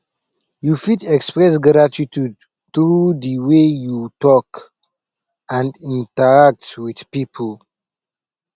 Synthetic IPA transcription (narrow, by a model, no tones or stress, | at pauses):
jufitɛkspɹɛs̬ɡɾatitud | θɹudəwejutɔk | ãndĩntəɹak̚twid̥pipʰəl